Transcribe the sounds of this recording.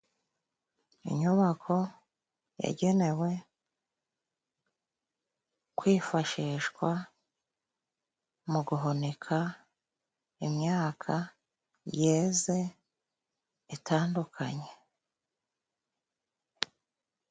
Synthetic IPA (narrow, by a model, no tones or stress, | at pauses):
ḭɲuβakʰo̞ | ja̰ɟe̞ne̞we̞ | kwiːfaʃiːʃɡwa | muɡuɦonekʰa | imɲaːkʰa | jeːze̞ | itʰaːndukʰa̰ɲe